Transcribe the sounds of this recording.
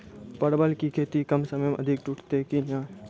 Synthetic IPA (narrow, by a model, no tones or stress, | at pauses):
pəɽbəlkikʰeːt̪ikɐmsəməjmẽʔɐd̪ʱɪkʈuʈʰt̪ekinjãː